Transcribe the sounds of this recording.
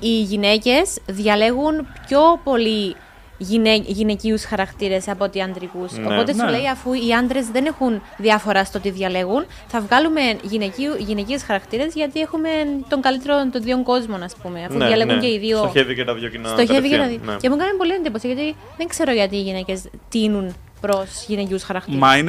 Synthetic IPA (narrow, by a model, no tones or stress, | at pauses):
iʝine̞ce̞sðʝɐle̞ɣunpço̞po̞li | ʝineʝine̞ciusxɐɾɐkt̪iɾe̞sɐpo̞t̪iɐnd̪ɾikusopo̞t̪e̞suleiɐfuiɐnd̪ɾe̞zðe̞ne̞xun | ðiɐfo̞ɾɐst̪ot̪iðʝɐle̞ɣun | θɐvɣɐlume̞nʝineciuʝine̞ciesxɐɾɐkt̪iɾe̞zʝɐt̪ie̞xume̞t̪o̞ŋɡɐlit̪e̞ɾont̪onðio̞ŋɡo̞zmo̞nɐspume̞ɐfuðjɐle̞ɣuɲceiðiooçevicet̪ɐðjocinst̪oçevicet̪ɐðio̰cemukɐnɐmpo̞liend̪iposiʝɐt̪i | ðeŋkse̞ɾoʝɐt̪iːʝine̞ce̞st̪inun | pɾo̞sʝineciusxɐɾɐkt̪imɐin